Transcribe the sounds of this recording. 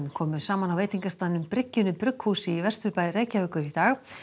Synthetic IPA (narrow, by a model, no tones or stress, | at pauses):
kʰɔːmʏsaːmanawveːjt̪iŋkast̪aːðɪnʏmpɾɪcːʏnʏpɾʏkːhuːsɪivɛst̪ʏɾpajðɾeːjcavœːkʏɾit̪aːɣ